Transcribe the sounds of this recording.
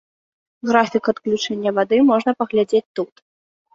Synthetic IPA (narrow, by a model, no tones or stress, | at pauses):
ɣɾafʲikɐt̪klʲut͡ʂɛnʲːɐvad̪ɨmɔʐnɐpɐɣlʲad͡zʲet͡sʲt̪ut̪